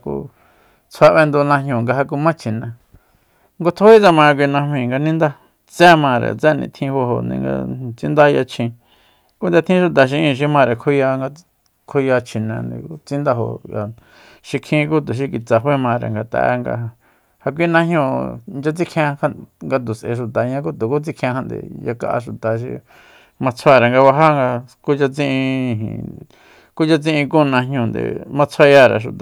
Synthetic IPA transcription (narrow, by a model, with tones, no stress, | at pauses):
kṵ˧ | t͡sʰa˧βe˧nd̪u˧nã˧ɲɲõ˧˨ŋɡa˧ɦa˧k̬u˧mã˦t͡ʃʰi˨nã˨ | ŋɡo˧t̪ʰo˦i˦t͡sa˧mã˧k̬ʷi˧nã˧hmĩ˧˨ŋɡa˧nĩ˦nd̪a˦ | t͡sɛ˦mã˧ɾḛ˨t͡sɛ˦˨nḭ̃˧t̪ʰĩ˧ho˧ɦo̰˨nḭ̃˧ŋɡa̰˧t͡si˧˦nd̪a˦˧ja˧t͡ʃʰĩ˧ | ku˦nd̪a˧t̪ʰĩ˦ʃu˧t̪̬a˨ʃ̬i˧ʔĩ˧˨ʃ̬i˧mã˧ɾe˨kʰo˦ja˧ŋɡa˧ | kʰo˧ja˧t͡ʃʰi˨nã̰˨nd̪ḭ̃˧ku˦t͡sĩ˦nd̪a˧ɦo̰˨ja̰˨ | ʃi˧kʰĩ˦˧k̬u˦t̪̬u˨ʃ̬i˧ki˧t͡sa˧ɦwe˦mã˧ɾḛ˨ŋɡa˧t̪a̰˧˨˧ŋɡa̰˧ | ha˧k̬ʷi˦nã˧ɦɲũ˧˨nd͡ʒa˧t͡si˦kʰã˧ha˦ŋɡa˧t̪̬u˨sʔḛ˧˨ʃ̬u˨t̪a˨ɲã˧k̬u˦t̪u˨ku˦t͡si˦kʰã˧ha˧nd̪ḛ˨ja˧ka̰˧ʔa̰˧ʃu˨t̪a˨ʃḭ˧ | mã˧t͡sʰwa˧˨ɾe˨ŋɡa˧βa˧ɦa˦ŋɡa˧ku˦t͡ʃa˧t͡sĩ˦˧ʔĩ˧ɦḭ̃˨ | ku˦t͡ʃa˧t͡sĩ˦ʔĩ˧ku˦˧nã˧ɦɲũ˧˨nd̪ḛ˨mã˧t͡sʰa˦˧ja˧˨ɾḛ˨ʃ̬ṵ˧t̪a˨